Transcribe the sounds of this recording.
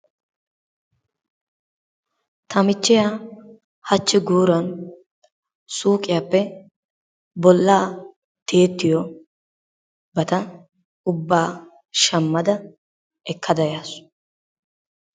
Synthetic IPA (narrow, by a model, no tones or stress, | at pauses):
t̪ʰɐmɪt͡ʃːɪja | hɐt͡ʃːɪɡuːɾɐn | suːkʼɪjɐpːɛ | bɔlːaː | t̪e̞ːt̪ːɪjɔ | bɐt̪ɐ | ʊbːaː | ʃɐmːɐd̪ɐ | ɛkʰːɐd̪ɐjaːsʊ̥